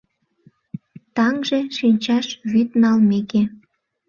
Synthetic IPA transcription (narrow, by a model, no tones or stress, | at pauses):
t̪ɑŋʒeʃinʲt͡ɕɑʃβyt̪nɑlmeke